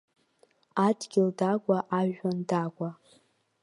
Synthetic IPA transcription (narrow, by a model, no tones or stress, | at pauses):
adɡʲɪldaɡʷʼaʔaʒᶣandakʷʼa